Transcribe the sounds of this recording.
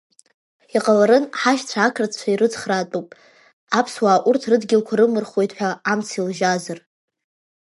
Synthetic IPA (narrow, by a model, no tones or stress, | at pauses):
iqʼalaɾɨnħaʃt͡sʷʰaakʰrat͡st͡ʃʷʰairɨt͡sʰʼχraːtʼupʼ | apʰswaːʔurtʰrɨdɡʲɪlkʷʰaɾɨmɨrχo̞jtʰʼħʷᶣaːmt͡sʰilʒazar